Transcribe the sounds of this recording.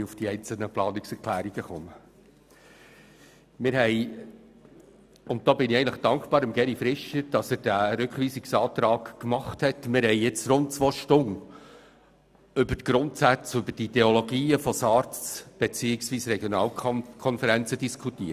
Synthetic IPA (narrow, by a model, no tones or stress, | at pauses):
ufd̥iɛɪnt͡sl̩ˠnəplɑːnɪksɛɾkʰlæːɾiɡ̥əχɔmə | mɪɾɦɛɪ | ʊnt̚d̥ɔːbɪniçɛɪnləχd̥ɑŋkχbɑːɾɪmɡɛɾifɾɪʃəd̥ɑsəɾd̥æɾʉkχʋiːsɪksɑːtɾɑːkkmɑχthɛtmɪɾhɛɪɪt͡sɾʊnt̚t͡sʋoːʃtʊn | ʏbəɾtɡ̥ɾʊntsæt͡sʏbəɾdideolɔɡiːəfɔsɑːɾb̥et͡siːɪksʋiːsɾɛɡjonɑːlkʰɔnfəɾænt͡sədiskʰutiːət